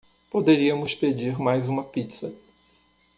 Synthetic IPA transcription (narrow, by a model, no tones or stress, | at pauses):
pod̪eɾiɐmʊsped͡ʒiɾmajzũmɐpit̪sɐ